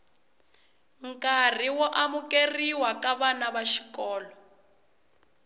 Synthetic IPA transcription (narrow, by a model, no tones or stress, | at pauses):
ŋ̩kar̤iwɔʔamukeriwakaβanaβaʃi̥kɔːlɔ